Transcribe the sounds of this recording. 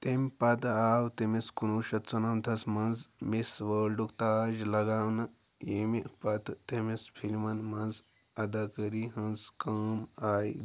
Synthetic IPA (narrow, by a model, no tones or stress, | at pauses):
t̪emʲpɐt̪awt̪emiskunuʃɐt̪t͡sɐnɐmt̪ʰɐsmɐnd͡zmisʋəlɖukt̪aːd͡ʒlɐɡawnɐ | jemipɐt̪t̪emispʰilʲmɐnmɐnz | ɐd̪akəɾiɦɐ̃nzkəmaj